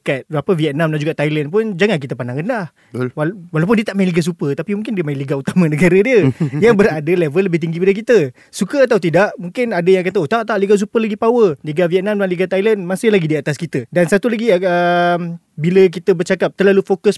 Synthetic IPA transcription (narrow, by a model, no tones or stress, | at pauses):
kat̪̚bapəviɛt̪̚nãmdand͡ʒuɡaʔt̪ajlənpʊnd͡ʒaŋank̬it̪əpanaŋənlah | wawalawp̬ʊndiət̪aʔmaj̃nliɡas̬upət̪apimuŋkɪndiəmajɪ̃nliɡaut̪amãnəɡaɾədiəjaŋbəɾaʔadəlevəlːəbɪht̪iŋɡipadəkit̪ə | sukəat̪awt̪̬idaʔmũŋkɪnadəjaŋkat̪əot̪aʔt̪aʔliɡas̬upəlaɡipawəliɡaviɛt̪̚namdlãnliɡat̪ajlənmasɪhlaɡidiat̪askit̪ədansat̪ulaɡiəm | bilək̬it̪əbərt͡ʃakap̚t̪ərlalufokəs